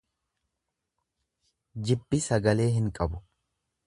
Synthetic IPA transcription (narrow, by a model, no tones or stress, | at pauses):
d͡ʒɪbːɪsɐɡɐle̞ːɦɪŋkʼɐbʊ